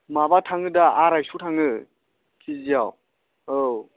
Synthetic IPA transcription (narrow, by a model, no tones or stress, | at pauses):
mabatʰaŋɯdaaɾajsutʰaŋɯ | kʰiziaw | o